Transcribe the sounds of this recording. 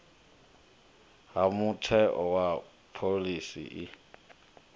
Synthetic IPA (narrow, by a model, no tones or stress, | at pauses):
ɦamutʰɛʔɔwa | pʰolisḭʔi